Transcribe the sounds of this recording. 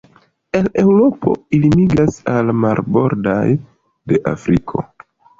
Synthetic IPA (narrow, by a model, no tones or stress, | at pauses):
e̞le̞wɾo̞pʰo̞̰ilimiɡasalmaɾbo̞̰ɾda̰j | de̞ʔa̰fɾikʰo̞̰